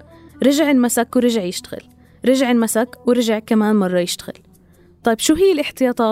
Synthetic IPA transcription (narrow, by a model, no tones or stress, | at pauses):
ɾˤɑʒɪʕɪlmasakwɾɪʒɪʕjɪʃt̪ḁɣɪ̰l | ɾɪʒɪʕɪlmasakwɾɪʒɪʕkamaːnmɑrˤːɑjɪʃt̪aɣɪ̰l | t̪ˤɑjːbʃuːɦɪjːɪlʔɪħt̪ɪjɑːt̪ˤɑː